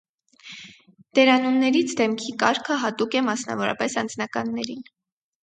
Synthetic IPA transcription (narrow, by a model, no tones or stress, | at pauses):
d̪̥ɛɾɑnunnɛɾit͡sʰd̪ɛmkʰikɑɾkʰəɦɑt̪ukɛmɑsnɑ̰vɔɾɑ̰pɛsɑnd͡znɑkɑnːɛɾin